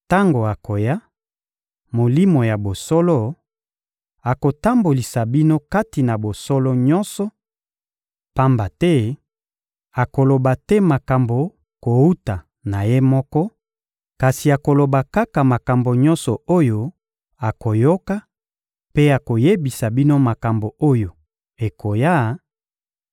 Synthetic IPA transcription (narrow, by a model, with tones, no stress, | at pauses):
ta˦ŋɡo˨a˨ko˨ja˦ | mo˨li˦mo˨ja˨bo˨sɔ˦lɔ˦ | a˨ko˨ta˦mbo˨li˨sa˨bi˦no˦ka˦ti˨na˨bo˨sɔ˦lɔ˦ɲɔ˦nsɔ˨ | pa˦mba˨tɛ˦ | a˨ko˨lo˨ba˨tɛ˦ma˨ka˨mbo˨ | ko˨u˦ta˨ | na˨je˦mɔ˦kɔ˦ | ka˨si˨a˨ko˨lo˨ba˨ka˦ka˨ma˨ka˨mbo˨ɲɔ̃˦nsɔ˨o˦jo˦ | a˨ko˨jo˦ka˦ | pe˦a˨ko˨je˦bi˨sa˨bi˦no˦ma˨ka˨mbo˨o˦jo˨ | e˨kʰo˨ja˦